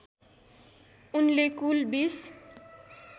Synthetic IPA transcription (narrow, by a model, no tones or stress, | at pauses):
unlekulbis